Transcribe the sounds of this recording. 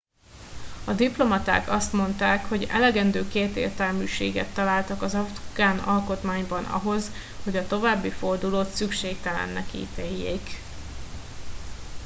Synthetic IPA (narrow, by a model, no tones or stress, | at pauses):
ɒd̪iplo̞mɒt̪a̰ːkɒst̪mo̞nt̪aːkho̞ɟɛ̰lɛɡɛnd̪øːkeːt̪ḛːrt̪ɛlmyːʃeːɡɛ̰t̪ːɒlaːlt̪ɒkɒzɒft̪kaːnɒlko̞t̪maːɲbɒnɒ̰ɦo̞z | ho̞ɟɒt̪o̞vaːbːifo̞rd̪uloːt̪sykʃeːk̚t̪ɛlɛ̰nːɛkḭːt̪eːjːeːk